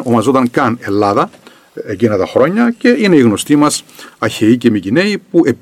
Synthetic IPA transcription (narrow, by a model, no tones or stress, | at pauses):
omɐzot̪ɐŋkɐne̞lːɐðɐ | ecinɐt̪ɐxɾo̞ɲːɐce̞ine̞iɣno̞st̪imɐsɐçe̞icemicine̞ipuʔe̞p